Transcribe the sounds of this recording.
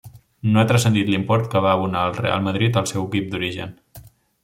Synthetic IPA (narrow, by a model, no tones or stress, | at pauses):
noat̪ɾəsənd̪it̪limpɔɾt̪̚kəβaəβunaəlˠrḛa̰lˠməðɾit̪əlˠsɛwəkip̚d̪uɾiʒə̰n